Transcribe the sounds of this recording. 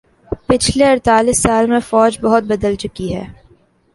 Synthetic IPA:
pɪt͡ʃʰleɐɾt̪aːlɪsːaːlmẽfɔːd͡ʒbɐɦʊt̪̚bɐd̪əlt͡ʃʊkiɦɛ̰ː

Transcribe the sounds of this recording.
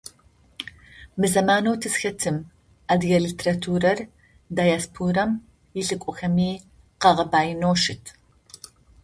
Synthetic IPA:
mɨzɐmaːnɐwtʰɨsxɐtʰɨm | adɣɐɮɨtʰeratʰuːɾɐr | dajaspʰuːɾɐm | jɪɬɨkʷʼɔxɐmiː | qɐʁɐbaːjɪnoːʃɨtʰ

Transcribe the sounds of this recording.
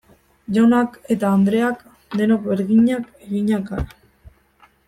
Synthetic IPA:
ʝonake̞t̪aːnd̪ɾeak | d̪e̞nokβeɾɣiɲakeɣiɲakaɾ

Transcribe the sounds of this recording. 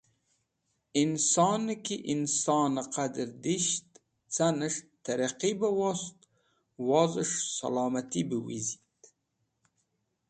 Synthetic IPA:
insɑnəkiʔinsɑːnaqad̪əɾd̪iʃt̪ | t͡sanəʂt̪aɾaqibawost̪ | wɑzəʂsa̰lɑːmat̪ibiwizi̥t̪

